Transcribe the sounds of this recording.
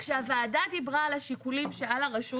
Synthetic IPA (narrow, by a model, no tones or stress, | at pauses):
χʃeavaːdadibʁaːlaʃikulimʃealaʁaʃu